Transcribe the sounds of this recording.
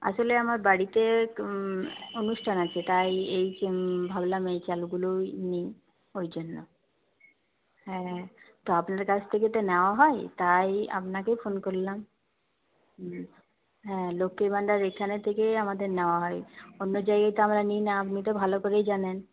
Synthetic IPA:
a̰ʃoleamaɾbaɽit̪e | onuʃʈʰanat͡ɕʰet̪ajejbʱablamejt͡ɕaluɡuloni | ojd͡ʑonːo̰ | hɛ̃t̪oapnaɾkat͡ɕʰt̪ʰek̬et̪enɛoaɦɔet̪aja̰pnakefonkoɾlam | ɦɛ̃lokːebaɳɖaɾekʰːanet̪ʰːekeamad̪eɾnɛoaɦɔjonːod͡ʑajɡajt̪oamɾaninaapnit̪̬obʱalokoɾejd͡ʑanen

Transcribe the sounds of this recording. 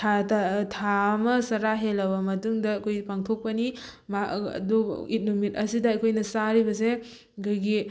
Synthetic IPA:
tʰatʰamɐsɐɾaɦelːɐbɐmɐtuŋdɐɐkʰojpaŋtʰok̚pɐni | maɐ̰duḭt̚numit̚ɐsidɐːjkʰojnɐsaɾibɐs̬e | kʰojɡi

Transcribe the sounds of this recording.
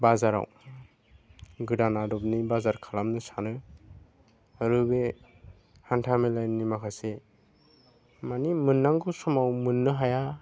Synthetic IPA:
bazaɾa̰w | ɡɯdanadɔp̚nibazaɾkʰalamnɯsanɯ | aɾɯbe | hantʰamelajnnimakʰase | manimɯnːaŋɡusɔmawmɯnːɯɦaja

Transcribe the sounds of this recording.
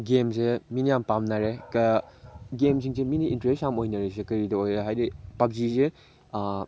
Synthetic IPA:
ɡemseminijampamnaɾek | ɡemsiŋseminiːntɾesamojnɐɾes̬ekɐɾidɐojɾeɦajɾipab̚zize

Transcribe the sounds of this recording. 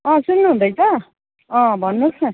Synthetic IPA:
ʌ̃sunːuɦũnd̪ʌjt̪ʌ | ʌ̃bʱʌnːut͡sʰʌ

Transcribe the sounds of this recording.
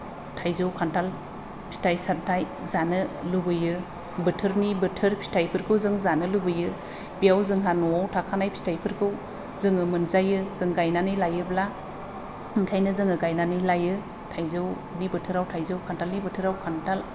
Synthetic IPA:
tʰajzowkʰantal | pʰi̥tʰajsantʰaj | zanɯlubɯjɯ | bɯtʰɯɾnibɯtʰɯɾpʰi̥stʰajpʰɯɾkʰɯwzɯŋzanɯlubɯjɯ | bijawzɯŋɦanɔawtʰakʰanajpʰi̥tʰajpʰɯɾkʰɯw | zɯŋɯmɯnzajɯzɯŋɡajnanɯjlajɯbla | ŋkʰajnɯzɯŋɯɡajnanɯjlajɯ | tʰajzɯw | nibɯtʰɯɾawtʰajzawkʰantʰalnibɯtʰɯɾawkʰantal

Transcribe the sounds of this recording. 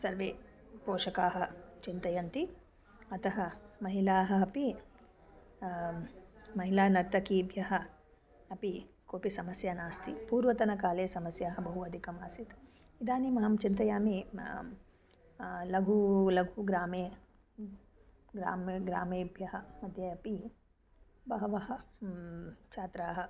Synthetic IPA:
sɐɾʋeː | poːʂɐkaːɦɐ̆t͡ʃint̪ɐjɐnt̪i | ɐt̪ɐɦɐmɐɦilaːɦɐ̆ɐpi | mɐɦilaːnɐɾt̪ɐkiːbʱjɐɦɐ | ɐpi | koːpisɐmɐsjaːnaːst̪ipuːɾʋɐt̪ɐnɐkaːleːsɐmɐsjaːɦɐbɐɦuɐd̪ʱikɐmaːsit̪ | id̪aːnimɐɦɐmt͡ʃint̪ɐjaːmi | lɐɡʱulɐɡʱuɡɾaːmeː | ɡɾa̰ːmɡɾa̰ːmeːbʱjɐɦɐmɐd̪ʱjɐɐpi | bɐɦɐʋɐɦɐ̆ | t͡ʃʰaːt̪ɾaːɦɐ

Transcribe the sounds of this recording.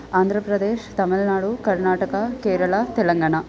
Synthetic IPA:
aːnd̪ʱɾɐpɾɐd̪eːʃt̪ɐmilnaːɽukɐɾnaːʈɐkɐkeːɾɐɭɐt̪ɛlɐŋɡaːɳɐ

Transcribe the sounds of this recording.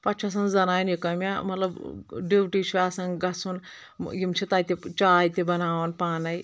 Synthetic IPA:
pɐt͡ʃʰɐs̬ɐnzɐnaːjnikɐmʲamɐt̪lɐbɖiwʈit͡ʃʰiasɐnɡɐsun | jimt͡ʃʰit̪aːjt̪ʲet͡ʃaːjt̪ibɐnaːʋɐnpaːnɐj

